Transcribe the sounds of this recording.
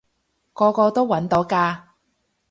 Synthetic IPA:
kɔː˧kɔː˧t̪o˥wɐ˨˥nt̪o˨˥wkaː˧

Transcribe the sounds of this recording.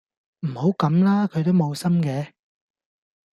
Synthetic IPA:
m̩˨˩ho˨˥wkɐ˨˥mlaː˥kʰɵ˨˧ɥt̪o˥wmo˨˧wsɐ˥mkɛː˨˧

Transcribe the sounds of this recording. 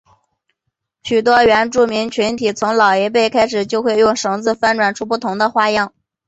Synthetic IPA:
ɕy˨˩t̪̬wɔ˥ɥɛ˧˥nʈ͡ʂu˥˩mi˧˥ŋt͡ɕʰy˧˥nt̪ʰi˨˩t͡sʰʊ˧˥ŋlɑ˨˩ʊe˧˥ɪp̬e˥˩ɪkʰa˥ɪʂɻ̩˨˩t͡ɕjo˥˧ʊxwe˥˧ɪjʊ˥˩ŋʂɤ˧˥ŋd͡zɹ̩˥˧fa˥nʈ͡ʂwa˨˩nʈ͡ʂʰu˥pu˥˩t̪ʰʊ˧˥ŋd̪ə˧xwa˥˧jɑ˥˩ŋ

